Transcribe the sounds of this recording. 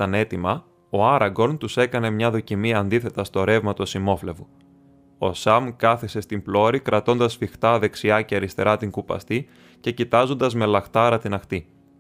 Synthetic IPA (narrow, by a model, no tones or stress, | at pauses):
t̪ɐne̞t̪imɐ | o̞ɐɾɐɡo̞lt̪use̞kɐne̞mɲɐðo̞cimiɐːnd̪iθe̞t̪ɐst̪o̞ɾe̞vmɐt̪o̞simo̞fle̞vu | o̞sɐmkɐθese̞st̪implo̞ɾikɾʔɐt̪o̞nd̪ɐsfixt̪ɐðe̞ksiɐceɐɾist̪e̞ɾɐt̪iŋkupɐ̰st̪i | ce̞cit̪ɐzo̞nd̪ɐzmelɐxt̪ɐɾɐt̪inɐxt̪i